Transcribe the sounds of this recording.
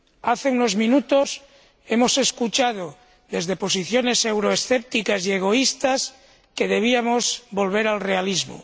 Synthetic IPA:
aθe̞uno̞zmĩnut̪os | e̞mo̞se̞skut͡ʃað̞o | ðe̞zðe̞po̞siθjo̞ne̞se̞wɾoesθep̚t̪ikasieɣ̞o̞ist̪as | ke̞ðe̞β̞iamozbo̞lβ̞e̞ɾalrealizmo̰

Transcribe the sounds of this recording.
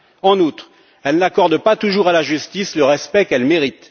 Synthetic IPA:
ɑ̃nut̪χ | ɛlnakɔʁd̪pat̪uʒuʁalaʒyst̪isləʁɛspɛkɛlmeʁit̪

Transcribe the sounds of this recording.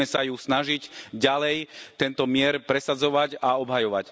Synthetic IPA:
ɛsajusnaʒicɟalɛjt̪ɛnt̪ɔmɪɛɾpɾɛsad͡zɔʋaɟaɔbɦajɔʋa̰c

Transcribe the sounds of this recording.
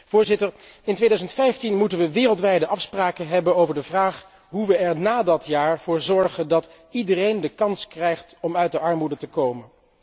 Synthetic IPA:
v̥ʊːɹzɪtəɹɪntʋejdœɥzəntfɛjftinmutənʋəʋɪːrəlˠtʋɛjdəʔɑfspraːkənɦɛbənowvəɹdəvraːχ | ɦuʋəɛɹnaːdɑtjaːɹv̥ʊːɹzɔɹχəndɑt | idərejndəkɑnskrɛjχtɔmœɥt̚dəʔɑɹmudətəkowmən

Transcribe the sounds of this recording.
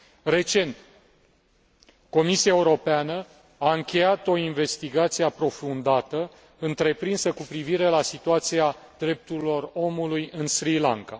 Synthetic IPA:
re̞t͡ʃe̞nt̪ | ko̞misiaeuɾo̞peanə | aɨŋkʲe̞jat̪o̞inve̞st̪iɡat̪sijeapɾo̞fund̪at̪ə | ɨnt̪ɾe̞pɾinsəkupɾiviɾe̞lasit̪uat̪sia | d̪ɾe̞p̚t̪uɾilo̞ro̞mulujɨnsɾila̰ŋka

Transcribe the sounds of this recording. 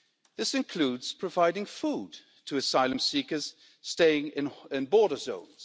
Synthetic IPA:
ðɪsɨ̃nkʰl̥uːdz̥pʰɹ̥əvaɪdɪ̃ŋfuːd | tʰəːsaɪlˠə̃msiˑkəz̥ | steɪɪ̃ŋɪ̃nɪ̃nbɔːɾəzõ̰ʊ̃nz̥

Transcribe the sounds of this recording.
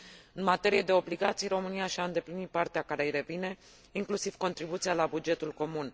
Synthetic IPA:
ɨnmat̪e̞ɾije̞d̪e̞o̞bliɡat̪sijro̞mɨnijaʃiaɨnd̪e̞plinit̪̚part̪eakaɾejɾe̞vine̞ | iŋklusiv̥ko̞nt̪ɾibut̪sijalabud͡ʒe̞t̪ulko̞mun

